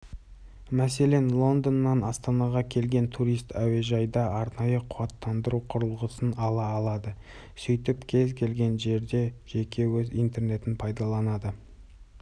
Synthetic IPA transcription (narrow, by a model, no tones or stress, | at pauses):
mæse̞le̞nlˠo̞nd̪ənːɑnɑst̪ɑnɑʁɑkʲʰe̞lɡʲe̞nt̪ʰuɾijst̪ʰæwe̞ʒɑjd̪ɑɑɾnɑjəqʰʊwɑt̪ːɑnd̪əɾuqʰʊɾəlˠʁəsənɑlˠɑːlˠɑd̪ə | sʏjt̪ɪpkʲʰe̞zkʲʰe̞lɡʲe̞nʒe̞ɾd̪e̞ʒ̥e̞kʲʰe̞wɵzijnt̪e̞rne̞t̪ɪnpʰɑjd̪ɑlˠɑnɑd̪ə